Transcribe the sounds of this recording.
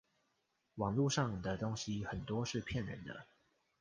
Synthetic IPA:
wɑ˨˩ŋlu˥˧ʂɑ˥˩ŋd̪ə˨˩t̪o˦˥ŋɕi˦xə˨˩nt̪wɔ˦ʂɻ̩˥˧pʰjɛ˥˨nɻə̰˧˦nd̪ə̰˧˨

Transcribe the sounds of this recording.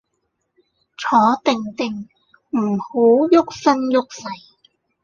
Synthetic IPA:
t͡sʰɔː˨˧˥t̪ɪ˨˩ŋt̪ɪ˨˩ŋ | m̩˨˩ho˨˥wjʊ˥k̚sɐ˥njʊ˥k̚sɐ˨j

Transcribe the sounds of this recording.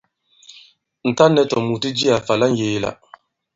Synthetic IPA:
n̩˨ta˦nːɛ˦tɔ˨mu˨tɨ˦d͡ʒi˦a˨fa˨la˦n̩˦jeː˨la̰˨

